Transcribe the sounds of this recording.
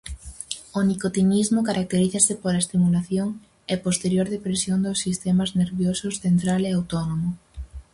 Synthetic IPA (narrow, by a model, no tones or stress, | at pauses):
onikot̪inizmokaɾʔak̚t̪eɾiθɐsɪpoɾaest̪imulaθjoŋ | epost̪eɾjoɾðepɾesjond̪osːist̪emazneɾβjosʊsθent̪ɾaleawt̪onomo